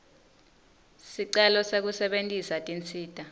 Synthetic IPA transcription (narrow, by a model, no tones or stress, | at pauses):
siǀɛlɔsek̬usɛɓentʼisatʼint͡sʰʼiːd̥ʱʼa